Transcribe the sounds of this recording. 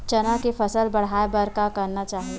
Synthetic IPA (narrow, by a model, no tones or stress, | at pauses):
t͡ʃɐnãkefʰəsəlbɐɽ̤aːebəɾkakɐɾnat͡ʃaːɦ